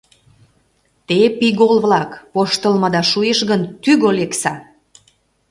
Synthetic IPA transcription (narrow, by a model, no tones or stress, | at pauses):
t̪epiɣolβlɑkpoʃt̪əlmɤd̪ɑʃujeʃɣənt̪yɣoleksɑ